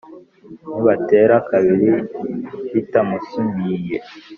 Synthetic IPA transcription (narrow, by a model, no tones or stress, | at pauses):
niβateɾakaβiɾi | βitamusumbije